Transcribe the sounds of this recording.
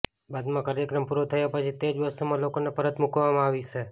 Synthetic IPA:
bad̪mãkəɾjekɾəmpuɾot̪ʰəjapət͡ʃʰit̪ed͡ʒʋəɾsumãlokonepəɾət̪mukʋamãaʋit͡ʃʰe

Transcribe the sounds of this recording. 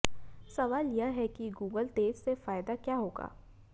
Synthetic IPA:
sɐʋaːljaɦɛkiɡuːɡəlt̪eːd͡ʒsefaːɪd̪akjaːɦoːɡa̰ː

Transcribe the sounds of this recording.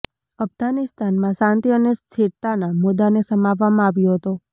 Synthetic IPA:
əfɡanɪst̪ʰanmãsãnt̪iənest̪ʰiɾt̪anamud̪anesəmaʋːamãaʋjoɦət̪o

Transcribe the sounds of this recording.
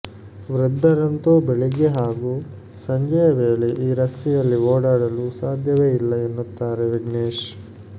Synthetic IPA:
ʋɾud̪ːɐɾɐnt̪oːbɛɭiɡeɦaːɡuː | sɐɲd͡ʒɐjɐʋe̞ːɭeʔiːɾɐst̪ɛjɐlːioːɽaːɽɐlusaːd̪ʱjɐʋe̞ːilːɐenːut̪ːaːɾeʋiɡneːʂ

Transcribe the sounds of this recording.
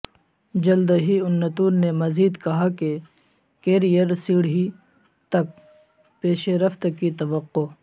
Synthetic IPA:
d͡ʒɐld̪ɦiʊnːɐt̪uːnːemɐziːd̪kɐɦake | keːɾijəɾsiːɽɦi | t̪ɐk̚ | peːʃeɾɐft̪kit̪ɐʋɐqːo

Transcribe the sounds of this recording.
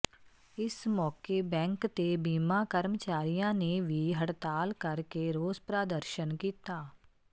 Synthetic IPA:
ɪsmɔːkebɛ̃ːŋkt̪ebiːmakəɾmət͡ʃaːɾijãneʋʱiɦɐɽt̪aːlkɐɾkeɾoːzpɾaːd̪əɾʃənkiːt̪aː

